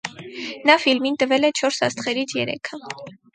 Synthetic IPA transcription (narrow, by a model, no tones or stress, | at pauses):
nɑfilmint̪əvɛlɛt͡ʃʰɔɾsɑ̰st̪χɛɾit͡sʰjɛ̰ɾɛ̰kʰə